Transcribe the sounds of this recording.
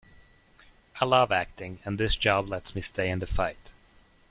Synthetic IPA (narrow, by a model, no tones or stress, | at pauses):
ʔaɪlʌvæk̚tɪ̃ŋɨ̃nðɪsd̥ʒ̥ɑblɛtsmisteɪɨ̃nðɨfaɪt